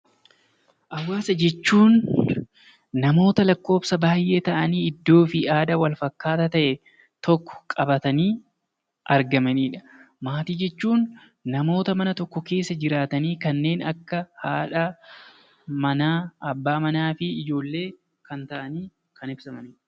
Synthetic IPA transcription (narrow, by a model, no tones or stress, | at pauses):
ʔɐwːaːsɐd͡ʒɛt͡ʃːuːn | ɐmo̞ːt̪ɐlɐkːo̞ːbsɐbaːjʔe̞ːt̪ɐʔɐniːɪd̪ːo̞ːfɪʔaːd̪ɐwɐlfɐkːaːt̪ɐt̪ɐʔɛ | t̪ɔkːɔ̥kʼɐbɐt̪ɐniː | ʔɐɾɡɐmɐniːᶑɐ̥ | maːt̪iːd͡ʒɛt͡ʃːuːnː | ɐmo̞ːt̪ɐmɐnɐt̪ɔkːɔke̞ːsːɐd͡ʒɪɾaːt̪ɐniːkɐnːe̞ːnɐkːɐhaːᶑɐ | mɐnaːɐbːaːmɐnaːfɪɪd͡ʒo̞ːlːe̞ː | kɐnt̪ɐʔɐniː | kɐnɪbsɐmɐniᶑɐ